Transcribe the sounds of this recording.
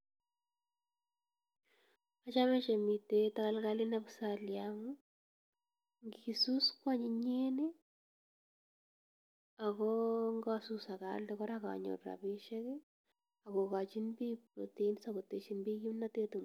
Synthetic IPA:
at͡ʃamɛt͡ʃemitetakalkalɪnabsaljamu | ŋɡisuskwaɲiɲene | akɔŋɡasusaka̰ldɛkɔɾaka̰ɲo̰tɾa̰biʃɛkɛ | akokat͡ʃinbipɾoteinsakotet͡ʃinbikimnatetum

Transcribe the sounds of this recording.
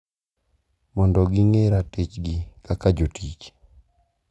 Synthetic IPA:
mɔndɔɡɪŋeɾatɪt͡ʃɡɪkakad͡ʒotʰit͡ʃ

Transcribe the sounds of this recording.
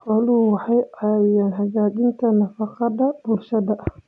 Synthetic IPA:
hɑluwɑħɑjajaːnɦɐɣaːt͡ʃɪnt̪ʰɐnɐfɑqɑðɐb̥ʊlʃɐðɐʔɐ

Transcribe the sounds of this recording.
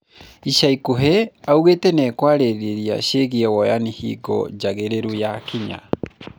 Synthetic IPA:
iʃaikoɦɛauɣetɛnɛkwaːɾeɾeɾia̰ʃeɣiɛwɔjanihḭɡɔ̰d͡ʒaɣeɾeɾujakiɲa̰

